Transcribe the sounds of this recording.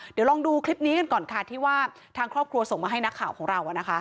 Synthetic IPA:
di˨˩˦wlɔː˧ŋduː˧kʰli˦˥p̚niː˦˥ka˧nkɔː˨˩nkʰa˧˥˩t̪ʰiː˥˩waː˥˩ | t̪ʰaː˧ŋkʰɾɔː˥˩p̚kʰɾu˧ɐso˨˩ŋmaː˧ɦa˥˩jna˦˥kʰːaː˨˩wkʰɔː˩˦ŋɾa˧wʔa˨˩na˦˥kʰa˦˥

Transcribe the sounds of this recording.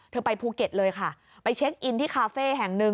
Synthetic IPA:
t̪ʰɤː˧pa˧jpʰuː˧ke˨˩t̪̚lɤː˧jkʰa˥˩ | pa˧jt͡ɕʰe˦˥k̚ʔi˧nt̪ʰiː˥˩kʰaː˧feː˥˩ɦɛ˨˩ŋnɯ˧

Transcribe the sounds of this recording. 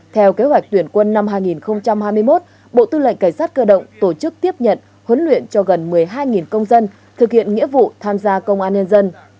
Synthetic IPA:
t̪ʰɛ˧wke˨˦ɦwa˨˩jk̟̚t̪wi˧˩ənkwə˧nːa˧mɦaː˧jŋi˨˩nxə˧wŋ͡mt͡ɕa˧mhaː˧jmɨ˧əjmo˦˥t̚ | ɓo̰˧˨t̪ɨ˧lə̰˧˨ŋ̟kaː˧˩jsaː˦˥t̚kəː˧ɗə̰˧˨wŋ͡mt̪o˧˩t͡ɕɨ˦˥k̚t̪i˦˥əp̚ɲə̰˧˨n | hwə˨˦nlwḭ˧˨ənt͡ɕɔ˧ɣə˨˩nmɨ˨˩əjɦaː˧jŋi˨˩nkə˧wŋ͡mzə˧n | t̪ʰɨ˨˩k̚hḭ˧˨ənŋḭ˧˥əvṵ˧˨t̪ʰaː˧mzaː˧kə˧wŋ͡mʔaː˧nɲə˧nzə˧n

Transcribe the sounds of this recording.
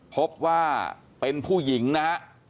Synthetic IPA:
pʰo˦˥p̚waː˥˩ | pe˧npʰuː˥˩ji˩˦ŋna˦˥ha˦˥ʔ

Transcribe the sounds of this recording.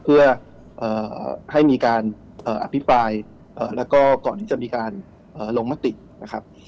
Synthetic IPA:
pʰɯ˥˩ɐ | ʔɤː˨˩ha˥˩jmiː˧kaː˧n | ʔɤː˨˩ʔa˧˩pʰi˦˥pɾaː˧j | ʔɤː˨˩lɛː˦˥wkɔː˥˩kɔː˨˩nt̪ʰiː˥˩t͡ɕa˨˩ʔmiː˧kaː˧n | ʔɤː˨˩loː˧ŋma˦˥t̪i˨˩ | na˦˥kʰa˦˥p̚

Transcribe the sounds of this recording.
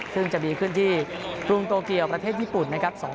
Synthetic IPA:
sɯ˥˩ŋt͡ɕa˨˩biː˧kʰɯ˥˩nt̪ʰiː˥˩kɾu˧ŋt̪oː˧ki˧əwpɾa˧t̪ʰeː˥˩t̪̚jiː˥˩pu˨˩nːa˦˥kʰɾa˦˥p̚sɔː˩˦

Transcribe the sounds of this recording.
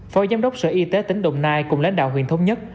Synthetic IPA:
fɔ˧˩jzaː˨˧mɗə˦˥wk͡p̚sɨ̰ː˧˩ʔi˧t̪e˨˦t̪ï˨˦ŋ̟ɗə̰˧˨wŋ͡mnaː˧jkʊ̰˨˧˩ŋ͡mla˨˧˦nɗa̰ː˧˨wɦḭ˧˩ənt̪ʰə˧wŋ͡mɲə˦˥t̚

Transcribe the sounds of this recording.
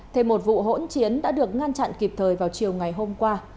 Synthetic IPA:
t̪ʰe˧˩mo˨˩t̚vṵ˧˨ɦo̰˧˥nt͡ɕi˨˦ənɗa̰ː˧˥ɗɨ˨˩ək̚ŋa˧nt͡ɕa̰˧˨nki˨˩p̚t̪ʰəː˨˩jvaː˨˩wt͡ɕi˨˩əwŋa˨˩jɦo˧mkwaː˧

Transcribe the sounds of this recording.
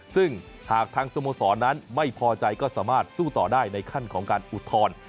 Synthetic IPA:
sɯ˥˩ŋ | haː˨˩k̚t̪ʰaː˧ŋsoː˧moː˧sɔː˩˦nːa˦˥nma˥˩jpʰɔː˧t͡ɕa˧jkɔː˥˩saː˩˦maː˥˩t̪̚suː˥˩t̪ɔː˨˩daː˥˩jna˧jkʰa˥˩nkʰɔː˩˦ŋkaː˧nʔu˨˩t̪ʰːɔː˧n

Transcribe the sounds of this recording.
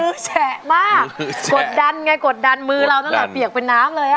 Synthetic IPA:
ɯː˦˥t͡ɕʰɛ˨˩maː˥˩k̚ko˨˩t̪̚da˧nŋa˧jko˨˩t̪̚da˧nmɯː˧ɾa˧wt̪ʰa˥˩t̪ːpi˨˩ək̚pe˧nːaː˦˥mlɤː˧jʔa˧˩

